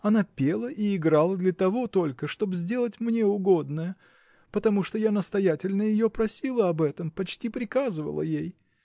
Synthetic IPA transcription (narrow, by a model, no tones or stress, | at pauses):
ɐnapʲelˠəʔiɪɡɾalˠəd̪lʲət̪ɐvo̞t̪o̞lʲkəʂt̪o̞bzʲdʲe̞lˠətʲmnʲe̞ʊɡo̞d̪nəjə | pət̪ɐmuʂt̪o̞janəst̪ɐjætʲɪlʲnəjɪjo̞pɾɐsʲilˠəɐbɛt̪əmpɐt͡ɕtʲipɾʲɪkazɨvə̰lˠə̰jej